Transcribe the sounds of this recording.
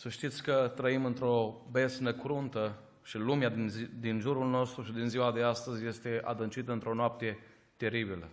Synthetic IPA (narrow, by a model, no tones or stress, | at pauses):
səʃt̪it̪sʲkət̪ɾəimɨnt̪ɾo̞besnəkɾunt̪ə | ʃilumead̪inʒuɾulno̞st̪ɾuʃid̪inziwad̪east̪əzʲje̞st̪e̞a̰d̪ɨnt͡ʃit̪əɨnt̪ɾo̞noap̚t̪e̞ | t̪e̞ɾibilə̰